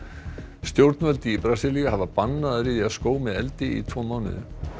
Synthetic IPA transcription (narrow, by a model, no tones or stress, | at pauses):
st̪jowɾt̪nvœlt̪ɪːpɾasiːlijaɦavapanːaðaɾɪðiaðskoːwmɪðɛlt̪ɪḭt̪ʰvɔːmawnɪ̰ðʏ̰